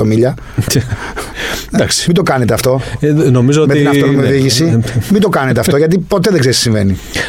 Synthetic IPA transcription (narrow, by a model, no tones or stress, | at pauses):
omiʎɐ | d̪ɐksmid̪o̞kɐnet̪eɐft̪o̞nomizoomet̪inɐolmeðiʝisimind̪okɐnet̪eɐft̪o̞ʝɐt̪̬ipo̞t̪eðeɡzeisisiɱve̞ni